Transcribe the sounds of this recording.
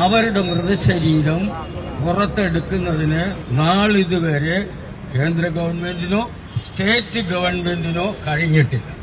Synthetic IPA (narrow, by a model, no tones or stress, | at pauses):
ɐʋɐɾuɽe̞mrɨʋiɕɐɾiːɾɐm | urɐt̪ːe̞ɽukːunːɐðinɨnaːɭiðuʋe̞ːɾe | ke̞ːnd̪ɾɐɡɐʋɐrɳme̞ndinoː | ste̞ːtːɨɡɐʋɐrɳme̞ndino̞ːkɐɻiɲːiʈːɨ